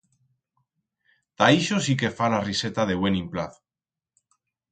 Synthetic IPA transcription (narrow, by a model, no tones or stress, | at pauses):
t̪aiʃosike̞falarise̞t̪aðe̞βwe̞nĩmplaθo̥